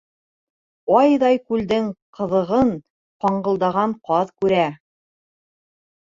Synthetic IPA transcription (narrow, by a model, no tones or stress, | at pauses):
ɑjðɑjkʉld̪ɘŋqʰɤ̆ðɤ̆ʁɤn | qɑɴɢɤ̆lˠd̪ɑʁɑɴqɑðkʉɾæ